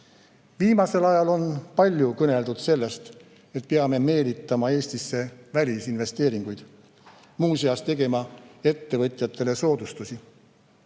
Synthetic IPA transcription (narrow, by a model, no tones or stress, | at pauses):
viːmɑse̞lɑjɑlo̞npɑlʲjukɤne̞ld̪ud̪̥se̞lːe̞st̪ | e̞t̪̚ˑpeɑme̞me̞ːlit̪ːˑɑmɑe̞ːst̪isːe̞vælʲisinve̞st̪e̞ːɾiŋɡ̥ujd̪̥ | muːseɑst̪e̞ɡ̥e̞mɑe̞t̪ːe̞vɤt̪ʲˑjɑt̪ːˑe̞le̞so̞ːd̪̥ust̪usi